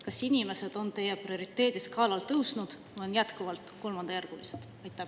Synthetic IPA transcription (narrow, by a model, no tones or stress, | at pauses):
kɑsinime̞se̞d̪̥o̞nt̪e̞jːeprio̞ɾit̪ːˑe̞ːd̪̥iskʰɑːlɑlt̪ɤwsnud̪̥vujonjæt̪kuvɑlt̪ko̞lmɑnd̪ɑjærɡ̥ulised̪̥ɑjt̪ːˑæ